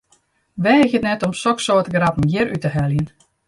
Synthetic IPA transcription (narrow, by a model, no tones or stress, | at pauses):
ʋɛxjətnɛtɔmsɔksoːtɡrapm̩jɪɾytəɦɛljən